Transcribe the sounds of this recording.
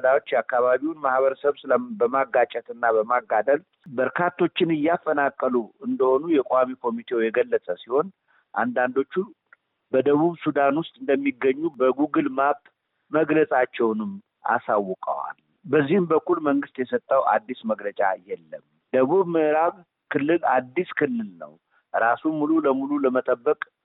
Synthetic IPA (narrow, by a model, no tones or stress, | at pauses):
d̪awot͡ʃːjakːaβaβiwnmahβəɾəsəβsɨləbəmaɡːat͡ʃʼɛt̪ɨnːabəmaɡːad̪əl | bəɾkʰat̪ʰːo̞t͡ʃːɪnɨjːafːənakʼːəluɨnd̪əho̞nujɛkʼowamikʰo̞mit̪ʰe̞wjɛɡəlːəsʼəsiho̞n | ʔa̰nd̪and̪o̞t͡ʃːu | bəd̪əβuβsud̪anwʊst̪ʼɨnd̪əmːiɡəɲːubəɡuɡɨlmabt̪ʼ | məɡləsʼat͡ʃːɛwnɨm | ʔa̰sawːɔkʼə̰wa̰l | bəzːihɨmbəkʰʷʼːulməŋɡɨst̪jɛsət̪ʼːəwʔa̰d̪ːisməɡlət͡ʃʼajɛlːəm | d̪̥əβuβmɨʔɨɾaβ | kʰɨlːɨlad̪ːiskʰɨlːɨlnə̰w | ɾasumːululəmululəmət̪ʼəbːəkʼ